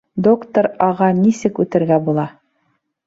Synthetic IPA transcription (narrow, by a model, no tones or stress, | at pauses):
d̪o̞kt̪oɾɑʁɑnisɘkʉt̪ɘ̆ɾɡæbulˠɑ